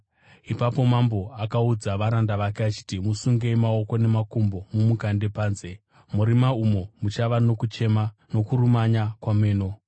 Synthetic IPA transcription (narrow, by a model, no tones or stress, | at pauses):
ipapo̞mambo̞akaud͡zaʋaɾandaʋakeat͡ʃi̥timusuŋɡeimao̞ko̞ne̞makumbo̞mumukande̞paːnze̞ | muɾimaumo̞mut͡ʃaʋano̞kut͡ʃe̞mano̞kuɾumaɲakwame̞ːno̞